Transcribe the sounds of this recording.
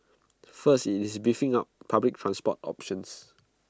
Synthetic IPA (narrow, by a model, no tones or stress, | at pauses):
fəstitisbifĩŋap̚pʰablɪk̚tʰɹãnspɔtɔ̰pʃə̃ns